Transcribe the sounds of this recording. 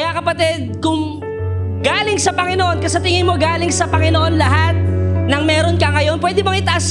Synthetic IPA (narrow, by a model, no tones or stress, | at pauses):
ɐjakɐpɐt̪ɛd̪̚kʊŋ | ɡaːlɪŋsɐpɐŋɪnoʔo̞nkɐsɐt̪ɪŋɪnmo̞ɡaːlɪŋsɐpɐŋɪnoʔo̞nlɐɦat̪̚nɐŋmɛːɾo̞nkɐŋɐjo̞npwɛːd̪ɪbɐŋɪt̪ɐʔas